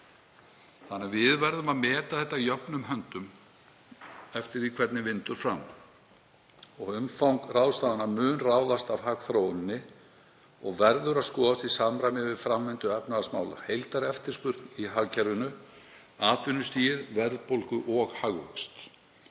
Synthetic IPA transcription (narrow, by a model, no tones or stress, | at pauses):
θanːɛvɪðvɛɾðʏmaðmɛːt̪aθɛht̪ːajœpnʏmɦœnt̪ʏm | ɛft̪ɪɾikʰvɛɾt̪nɪvɪnt̪ʏɾ̥fɾam | ɔɣʏmfawŋkrawst̪aːðanamʏːnraːwðast̪avhaɣθɾowɪnːɪ | ɔɣvɛɾðʏɾaðskɔːðast̪isamɾajmɪvɪðfɾamːɪnt̪ʏɛpnaðasma̰ːwla̰hejlt̪aɾɛft̪ɪɾ̥spʏɾt̪niɦaɣcɛɾʏnʏ | aːt̪ʏnʏst̪iːðvɛɾðpowlkʏʔɔɣhaɣvœ̰kst̪